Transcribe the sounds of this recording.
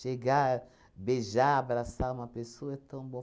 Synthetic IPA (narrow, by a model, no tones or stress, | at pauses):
ʃeɡa | beʒaabɾasaũmɐpesoɐɛt̪ɐ̃w̃bõ